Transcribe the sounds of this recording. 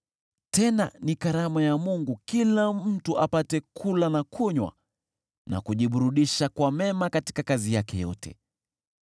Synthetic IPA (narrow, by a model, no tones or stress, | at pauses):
tɛna̰nikaɾamajamuŋɡukilam̩tuʔapatɛkʰulanakʰuɲwa̰ | na̰kuʄiɓuɾuɗiʃakwamɛmakati̥kakazijakɛjɔ̰tɛ̰